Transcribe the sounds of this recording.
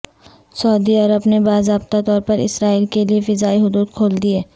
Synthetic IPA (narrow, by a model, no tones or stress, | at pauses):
sɐːd̪iɐɾəbnebaːzɾaːbt̪at̪ɔːɾpɐɾɪ̰sɾaːiːlkeliefɪzaːiɦʊd̪uːd̪̚kʰoːld̪iɦɛː